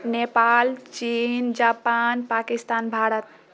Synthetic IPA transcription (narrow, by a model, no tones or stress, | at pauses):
nepalt͡ʃind͡ʒapanpakist̪anbʱaɾət̪̚